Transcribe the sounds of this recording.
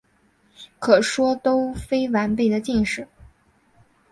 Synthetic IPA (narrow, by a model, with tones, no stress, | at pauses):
kʰɤ˨˩ʂwɔ˥t̪o˥ʊfe˥ɪwa˧˥npe˥˩ɪd̪ə˩t͡ɕi˥˧ŋʂɻ̩˥˩